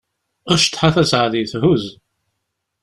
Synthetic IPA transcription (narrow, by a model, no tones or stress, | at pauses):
ʁəʃt̪ːħaθæsʕðiθɦuz